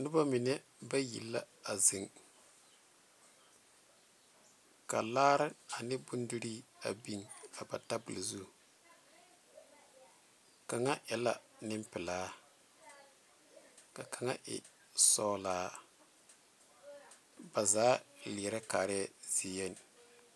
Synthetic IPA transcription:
nʊ˦ba˦mɪ˨nɛ˦ | ba˦jḭ˨lːa̰˦ | a˨zɪ˨ŋ | ka˨laː˦ɾɪ˦a˨nɪ˦bʊ˦n˦du˦ɾi˦a˨bi˦ŋa˨ba̰˨ta˦bʊ˨lzu˦˨ | ka˨ŋa˦ʔɛ˨la˨nɪ˦m˦pɪ˨laː˨˦ | ka˨ka˨ŋa˦ʔɪ̰˨ | sɔː˦laː˨˦ | ba˨zaː˨˦lɪ˨ɾa˦kaː˨ɾɪ˦ɛ˦z̥i˨jɛ˦˨n˨

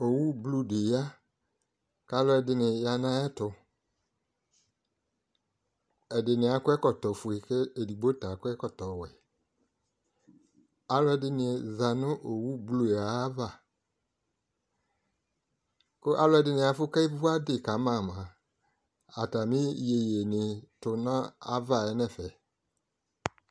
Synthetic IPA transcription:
o˨wu˦blu˦de˨ja˦ | ka˦lʊ˦ɛ˨dɪ˨nɪ˨ja˧nã˦ɛ˦tʊ˨ | ɛ˨dɪ˨nɪ˨a˨˦kʊ˦ɛ˦kɔ˨tɔ˨fu˨e˨kɛ˦e˨di˨ɡ͡bo˦ta˨kʊ˦ɛ˦kɔ˨tɔ˨wɛ˨ | a˦lɛ˨dɪ˦nɪ˧˨za˨nʊ̃˦ʔo˨wu˦blo˨e˨a˨˦va˦˨ | kʊ˦ʔa˦lʊ˦ɛ˨dɪ˨˦nɪ̃˧a˨fʊ˦ka˦i˦vu˦a˦dɪ˦˨ka˨˦mã˦˨mã˨ | a˨ta˨mĩ˦je˨je˨nɪ˨tʊ˨nã˦a̰˦va˦˨ɛ˨˦nɛ˦˨fɛ˨

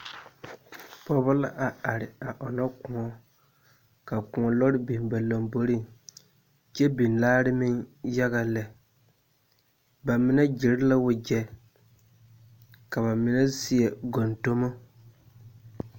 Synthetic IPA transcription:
pɔ˦bʊ˦la˦ʔa˨a˨ɾɪ˨a˨ʔɔ˨nɔ˦kʊ̃˨ɔ˦ | ka˨ku˨ŋɔ˨lɔ˦ɾɪ˦bi˨n˨ba˨lo˨mbo˨ɾi˦ŋ | t͡ʃɛ˦bi˨nlaː˦ɾɪ˦mɪ˦nja˦ɣa˨lɛ˨ | ba˨mɪ˦nɛ˦d͡ʒɪ˨ɾɪ˦la˦wʊ˨d͡ʒɛ˨ | ka˨ba˨mɪ˨nɛ˦si˦ɛ˨ɡo˨nto˦mo˦

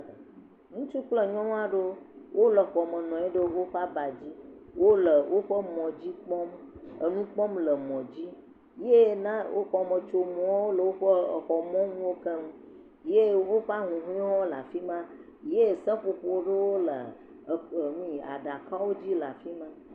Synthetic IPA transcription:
ŋũ˦t͡ʃu˦k͡plə˨ɲɔ̃˦ŋ˦a˦ɖə˦wʔo˦lə˨xɔ˨mə˨nɔ̃˨e˦ɖə˦wo˦ɸa˦ba˨d͡ʑi˦wo˦lə˨wʔo˦ɸə˦mɔ̃˨d͡ʑi˦k͡pɔ˦mə˨nũ˦k͡pɔ˦mlə˨mɔ̃˨d͡ʑi˦ | je˦nã˦wo̰˦xɔ˨mə̃˨t͡ʃo˨mũ˨a˦wo˦lə˨wo˦ɸə˦˨xɔ˨mɔ̃˦ŋũ˦wo˦kə˦ŋũ˦ | je˦wo˦ɸa˦ɦũ˨ɦũ˦i˦ɦɔ̃˦la˨fi˦mã˦ | je˦˨sə̃˦ɸo˨ɸo˦ɖə˦wo˦lə˨ | mĩ˨a̰˨ɖa˨ka˦wo˦d͡ʑi˦la˨fi˦mã˦

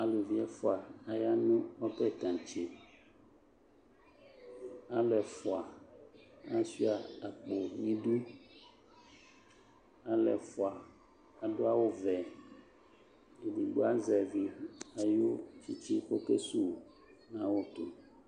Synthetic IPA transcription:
a˨lu˨vi˦ɛ˦fɔ˦˨a˨a˨ja˦nũ˦wɔ˦pɛ˦t̪ã˨t͡ʃe˨ | a˦lɛ˨fɔ˨a˨ | a˦si˦a˨a˨k͡po˨ɲĩ˦ɖu˦ | a˦lɛ̰˨fɔ˨a˨ | a˨ɖo˦a˦wo˦vɛ˨ | i˨bi˨ɡ͡bo˦a˦zɛ˨vi˨a˨jo˦t͡ʃi˦t͡ɕi˦ko˦ke˦su˦˨ | nã˦wo˦t̪o˨

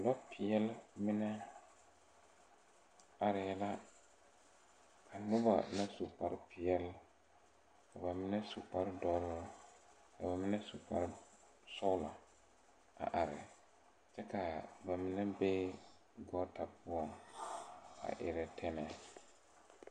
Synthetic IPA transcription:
lɔ˦pʰɪ˨jɛ˦lmɪ˦nɛ˦ | a˨ɾɪ˨˦la˦ | kʰa˨nʊ˦ba̰˨na˦su˨pa˦ɾɪ˦pɪ˨ɛ˦l | ka˨ba˨mɪ˦nɛ˦su˨pa˦ɾdɔ˦ɾ | ka˨ba˨mɪ˦nɛ˦su˨pa˨ɾɪ˦ | sɔ˦la˨ | a̰˨ʔa˨ɾɪ̰˨ | t͡ʃɛ˦ka˨ba˨mɪ˦nɛ˦be˦ | ɡɔː˦ta˨pʊ˦ɔ˨ŋ | a̰˨ʔɪ̰˨ɾɛ˨tʰɛ˦nɛ˨

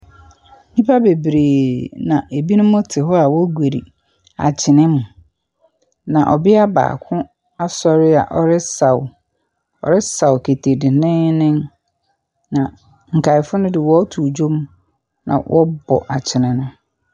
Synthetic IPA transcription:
mĩ˦pʰa˦be˨bɾeː˨nã˨ʔe˨bi˦nʊ̃˦mʊ̃˦tʰɪ˨ɦɔ˦a˨wɔ˦ɡʷe˨ɾḭ˨ | a̰˨t͡ɕʰɪ˨nɪ̃˦mʊ̃˨ | nã˨ʔɔ˨bɪ˦a˦ba̰ː˨kʰʊ̃˦ | a˦sɔ˦ɾɪ˦a̰˨ʔɔ˦ɾɪ˦sa˨w | ɔ̰˨ɾɪ˦sa˨wkʰe˨tʰe˨dɪ˨nɪ̃˦nɪ̃˦n | nã˨ | ŋ̩˨kʰa˨ɪ˨fʊ˦nʊ̃˦dɪ˨wɔ˦tʰu˨d͡ʑo˦m | nã̰˨wʔɔ˦bɔ̰˨ʔa˨t͡ɕʰɪ˨nɪ̃˨nʊ̃˦

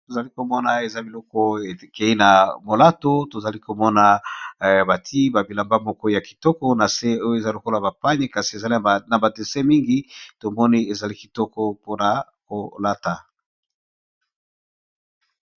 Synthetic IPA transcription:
to˨za˨li˦ko˨mɔ˦na˨e˨za˦bi˨lɔ˦kɔ˦e˨ke˨i˦na˨mo˨la˦to˦to˨za˨li˦ko˨mɔ˦na˨ | ba˨tʰi˦ba˨bi˨la˨mba˦mɔ˦kɔ˦ja˨ki̥˨tɔ˦kɔ˦na˨se˦o˦jo˦e˨za˦lo˨ko˦la˨ba˨pa˦ɲe˦ka˨si˨e˨za˨li˦˨na˨ba˨de˨se˦mi˦ŋɡi˦to˨mɔ˦ni˦e˨za˨li˦ki˨tɔ˦kɔ˦po˦na˨ | ko˨la˦ta˨

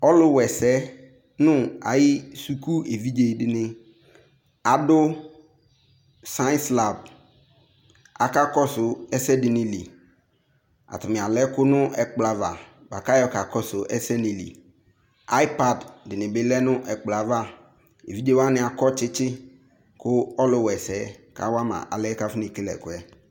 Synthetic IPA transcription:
ɔ˦lʊ˦wɛ˨sɛ˦ | nʊ̃˦a̰˨jɪ˦su˨ku˦e˨vi˦d͡ʒe˨dɪ˨nɪ̃˦ | a˨dʊ˦ | sã˦nsla˨b̚ | a̰˨ka˦kɔ˦sʊ˨ɛ˦sɛ˦dɪ˨nɪ̃˨lḭ˨ | a̰˨tʊ˨mɪ˨a˨lɛ˦kʊ˦nʊ̃˦ɛ˨k͡pla˨va˨ | ba̰˨ka˦jɔ˦ka˨kɔ˦sʊ˨ʔɛ˦sɛ˦ni˨lḭ˨ | a˦i˦pa˨ddɪ˨nɪ˨bɪ˨˦lɛ˦nʊ̃˦ʔɛ˨k͡pla˨va˦˨ | e˨vi˦do˦wa˦nɪ̃˨˦a˨kɔ˦t͡ʃɪ˦t͡ʃɪ˦ | kʊ˦ɔ˦lʊ˦wɛ˨sɛ˨˦ka̰˨wa˦mã̰˨ʔa̰˨lɛ˦ka˦fɪ˦ni˨ke˦lɛ̰˨kʊ˨ɛ˦

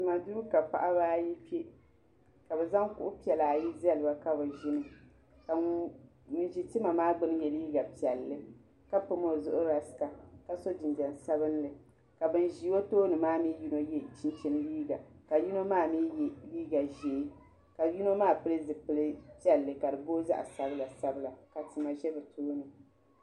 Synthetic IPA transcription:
tɨ˨ma˨du˦ɾu˦ka˨pa̰˨ʔa˦baː˦ji˦pi˦e˦ | ka˨bɛ˨za˦ŋkʊ̰˦ʔʊ˦pi˦ɛ˨la˨ji˦zɛ˦lɨ˨ba˨ka˦bɨ˨ʒɪ˦nɨ˨ | ka˨ | mɨ˨nʒi˨ti˦ma˨maː˦ɡ͡bɨ˦n˦jɛ˨liː˦ɡa˨pi˨ɛ˨lːɨ˦ | ka˦pɨ˦mo˦˨zʊ˦ʔʊ˦ɾa˨sɨ̥˨ka˨ka˨so˦d͡ʒɪ˨ndɛ˨n˨sa˦bɨ˦n˦lɨ˨ | ka˨bɨ˨nʒi˨˦wo˦toː˦nɨ˨maː˦mi˦ji˦no˦jɛ˦t͡ʃi˦n˦t͡ʃi˦n˦liː˦ɡa˨ka˨ji˦no˦maː˦˨mi˦˨liː˦ɡa˨ʒeː˨˦ | ka˨ji˦no˦maː˦˨pɨ˦lɨ˦zɨ˨pɨ˨lɨ˦pi˦ɛ˨lːɨ˨ka˨dɨ˨boː˦za̰˦ʔa̰˨sa˦bɨ˦la˨sa˦bɨ˦la˨ka˨tɨ˨ma˨ʒɛ˦bɨ˨toː˦nɨ˨

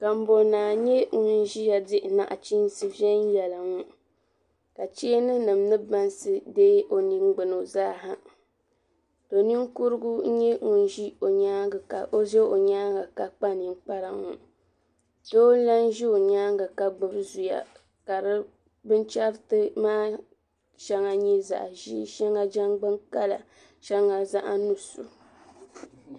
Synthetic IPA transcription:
ka˨m̩˦bo˨˦naː˨ɲɛ˦ŋu˨n̩˦ʒi˦ja˨dɪ˦ʔna̰˨ʔt͡ʃi˦n˦sɨ˦vɛ˦n˦jɛ˨la˨ŋu˦ | ka˨t͡ʃe˦nɨ˦nɨ˨m˦nɨ˦ba˦nsɨ˦deː˦ʔo˨ni˦ŋ͡mɡ͡bɨ˨no˨zaː˦ɦa˦ | d̥o˨ni˦ŋ˦ku˦ɾɨ˦ɡu˦ɲɛ˦ŋu˨n˦ʒi˦o˨ɲa˦ɡa˨a̰˨ʔo˦ʒɛ˦o˨ɲaː˦ŋɡa˨ka˨k͡pa˦ni˨ŋ͡mk͡pa˦ɾa˦ŋṵ˨ | do˦la˦n˦ʒi˦o˨ɲaː˦ŋɡa˨ka˨ɡ͡bɨ˨ɾɨ˦zu˨ja̰˨ | ka˨ɾɨ˦ | bɨ˦n˦t͡ʃa˦ɾtɨ˦maː˦ | ʃɛ˦ŋa˨ɲɛ˦za̰˨ʔʒi˦ʃɛ˦ŋa˦d͡ʒa˦ŋɡ͡bɨ˦ŋka˦la̰˨ | ʃɛ˦ŋa˨za˦ʔa˦nu˨su˨

